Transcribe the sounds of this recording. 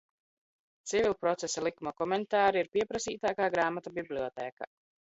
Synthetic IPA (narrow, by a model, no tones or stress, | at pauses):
t̪sivilˠpɾɔt̪sesalˠikumakɔmɛnt̪aːɾiiɾpiɛpɾasiːt̪aːkaːɡɾaːmat̪abiblʲiɔt̪ɛːka̰